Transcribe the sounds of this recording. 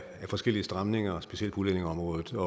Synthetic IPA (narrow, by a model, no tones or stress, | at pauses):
æfɒ̽sɡ̥el̰iəsd̥ʁämne̝ŋɐsb̥e̝siel̰̥̚pʰulene̝ŋɒ̽mʁɔ̽ːðˠð̩ˠɒ̽